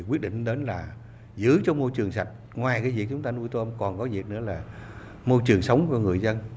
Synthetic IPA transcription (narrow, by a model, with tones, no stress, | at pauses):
kwi˦˥t̚ɗḭ˧˨ŋɗe˨˦nlaː˨˩ | zɨ̰˨˦t͡ɕɔ˧mo˧jt͡ɕɨ˨˩əŋsa˨˩jk̟̚ | ŋwaː˨˩jkaː˨˦vi˨˩ək̚t͡ɕʊ˨˦ŋ͡mt̪aː˧nu˧jt̪o˧mkɔ˨˩nkɔ˨˦vi˨˩ək̚nɨ̰˧˥əlaː˨˩ | mo˧jt͡ɕɨ˨˩əŋsə˨˦wŋ͡mkɔ˨˧ŋɨ˨˩əjzə˧n